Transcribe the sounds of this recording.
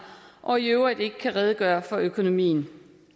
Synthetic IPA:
ʔɒ̽iøʊʁəd̥e̝ɡ̥ə̥kʰæʁɛð̞ˠəɡ̥ɶːɐfɒ̽økʰo̝no̝mḭːn̩

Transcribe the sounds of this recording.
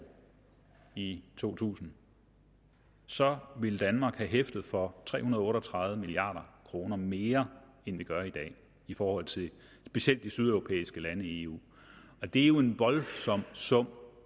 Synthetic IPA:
it͡sʰo̝̰ːt͡sʰṵːsn̩ | sɒ̽ʋe̝ld̥ænmɑ̈ːɡ̥hæɦefd̥ð̩ˠfɒ̽t͡sʰʁɛ̰ːhunɐðˠɔ̽ːɾɒt͡sʰʁɑ̈ðˠð̩ˠəmiliɑ̰̈ːɾɐkʰʁo̝ːnɐme̝ːɐend̥e̝ɡ̥ɶɐid̥ɛ̰ː | ifɒːhɒ̽l̰t͡sʰe̝ | sb̥e̝siel̰d̥ːisyð̞ˠøʊʁo̝pʰḛːisɡ̥əlænəie̝ṵː | ɒ̽d̥e̝æjo̝e̝nʋɒ̽lsɒ̽m̰sɔ̽m̰

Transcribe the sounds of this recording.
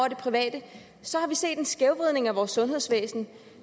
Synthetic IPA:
ɐd̥e̝pʰʁiʋɛ̰ːd̥ə | sɒ̽hɑ̈ʋise̝̰ːd̥e̝nsɡ̥eʊʋʁiðˠne̝ŋæʋɒːsːɔ̽nɦe̝ð̞̰ˠsʋḛːsn̩

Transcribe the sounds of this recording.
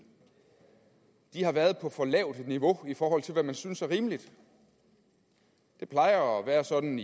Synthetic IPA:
d̥ihɑ̈ʋæɐð̞ˠpʰɒ̽fɒ̽lɛʊ̰d̥niʋo̝ifɒːɦɒ̽l̰t͡sʰe̝lʋæmænsynsæɐʁiːmlid̥ | d̥e̝pʰlɑ̈ɪɐɒʋæːɐsɒ̽d̥n̩

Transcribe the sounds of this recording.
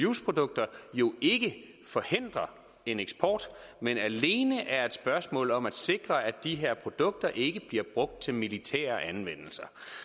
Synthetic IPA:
juspʰʁo̝d̥ɔ̽ɡ̥̚d̥ɐjo̝e̝ɡ̥ə | fɒ̽he̝n̰d̥ʁɐ | e̝neɡ̥sb̥ʰɒ̰ːd̥menæle̝ːnəʔæɐe̝d̥sb̥ɶɐsmɔ̰ːlɒ̽mæd̥se̝ɡ̥ʁɐʔæd̥iɦeɐ̰pʰʁo̝d̥ɔ̽ɡ̥̚d̥ɐʔe̝ɡ̥əb̥liɐb̥ʁɔ̽ɡ̥̚d̥̚t͡sʰe̝lmilit͡sʰæ̰ːɐʔænʋen̰l̩sɐ

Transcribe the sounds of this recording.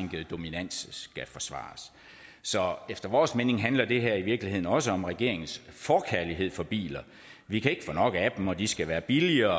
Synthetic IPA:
ŋ̰ɡ̥əð̩ˠd̥o̝minæn̰ssɡ̥æfɒ̽sʋɑ̰̈ːs | sɒ̽efd̥ɐʋɒːsmene̝ŋɦænlɐd̥e̝ɦæɐ̰iʋiɐɡ̥lihe̝ð̰ˠn̩ɒ̽səɒ̽mʁɛɡ̥e̝̰ɐ̰e̝ŋn̩sfɒkʰæɐliɦe̝ð̰ˠfɒ̽b̥ḭːlɐ | ʋikʰæe̝ɡ̥ə̥fɒ̽nɒ̽ɡ̥əæd̥m̩ɒd̥isɡ̥æʋæːɐb̥iliɐː

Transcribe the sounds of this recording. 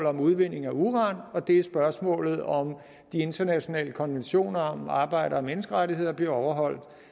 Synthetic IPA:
l̩ˠɒ̽muð̞ˠʋe̝n̰e̝ŋ̩æuːʁɑ̈nɒ̽d̥e̝æɐsb̥ɶɐsmɔ̰̽ːlð̞̩ˠɒ̽m | d̥ie̝nd̥ɐnæɕo̝nɛ̰ːləkʰɒ̽nʋenɕo̝̰ːnɐɒmɑ̈ːb̥ɑ̈ɪ̰ɾ̥ɐ̽ːmenəsɡ̥əʁaɾiɦe̝ð̞̰ˠɐb̥liɐɒʊɐɦɒ̽l̰d̥

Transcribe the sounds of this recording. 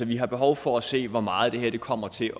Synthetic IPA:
ɒʋiɦɑ̈b̥e̝ɦɒʊfɒæse̝̰ːʋɒmɑ̈ːð̞̩ˠd̥e̝ɦɛɐ̰d̥e̝kʰɒ̽m̰ɐt͡sʰe̝

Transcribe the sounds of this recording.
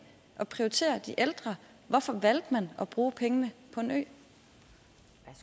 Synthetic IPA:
ʔɒ̽pʰʁiot͡sʰe̝̰ːɐd̥iʔeld̥ʁɐ | ʋɒfɒ̽ʋæl̰d̥mænɒ̽b̥ʁuːpʰeŋənəpʰɒ̽e̝nø̰ː

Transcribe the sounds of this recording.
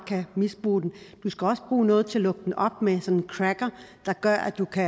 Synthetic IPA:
kʰæmisb̥ʁṵːd̥end̥usɡ̥æɒ̽səb̥ʁuːnɔ̽ːð̞̩ˠt͡sʰe̝lɔ̽ɡ̥əd̥en̩ʔɒ̽b̥̚mesɒ̽nenkʰʁæɡ̥ɐd̥ɑ̈ɡ̥ɶɐ̰ʔæd̥ukʰæ

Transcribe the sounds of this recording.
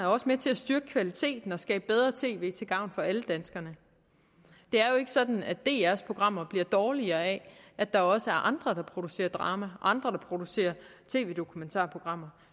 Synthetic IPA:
æɐɒ̽səmet͡sʰe̝æsd̥yɐɡ̥ə̥kʰʋælit͡sʰe̝̰ːd̥n̩ɒ̽sɡ̥ɛ̰ːb̥̚b̥eð̞ˠʁɐt͡sʰe̝̰ːʋe̝̰ːt͡sʰe̝lɡ̥ɑ̈ʊ̰nfɒ̽æləd̥ænsɡ̥ɐnə | d̥e̝æɐjo̝e̝ɡ̥əsɒ̽d̥n̩æ̥d̥e̝̰ːæɐspʰʁo̝ɡ̥ʁɑ̈m̰ɐb̥liɐd̥ɒːliɐːɛæd̥ɑ̈ɒ̽səæɐʔɑ̈nd̥ʁɐd̥ɑ̈pʰʁo̝d̥use̝̰ːɐd̥ʁɑ̈ːmæʔɑ̈nd̥ʁɐɾ̥ɑ̈pʰʁo̝d̥use̝̰ːɐt͡sʰe̝̰ːʋe̝̰ːd̥o̝kʰument͡sʰɑ̰̈ːpʰʁo̝ɡ̥ʁɑ̈m̰ɐ

